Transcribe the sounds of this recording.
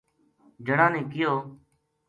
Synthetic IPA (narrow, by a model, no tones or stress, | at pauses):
d͡ʒəɽãːnẽːkɪjoː